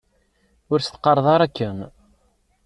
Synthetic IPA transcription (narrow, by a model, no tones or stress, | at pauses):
ʊɾst̪qːɑɾˤðˤɑɾˤækːən